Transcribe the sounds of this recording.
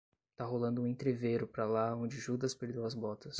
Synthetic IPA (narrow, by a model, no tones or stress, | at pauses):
t̪aɦolɐ̃nd̪ʊũẽt̪ɾeveɾʊpɾɐlaõnd͡ʒɪʒud̪ɐspeɾd̪ewɐzbɔt̪ɐs